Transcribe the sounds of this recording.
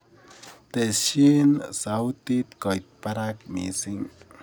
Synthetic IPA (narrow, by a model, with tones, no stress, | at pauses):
t̪e˨sʃi˦nsawt̪i˦t̪ko˨jt̪̚paɾa˦k̚mḭ˨si˦ŋ